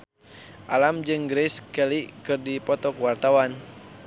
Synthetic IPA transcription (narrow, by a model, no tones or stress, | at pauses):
ʔalamd͡ʒɨŋɡɾɛskɛlikɨrdipɔt̪ɔkwart̪awan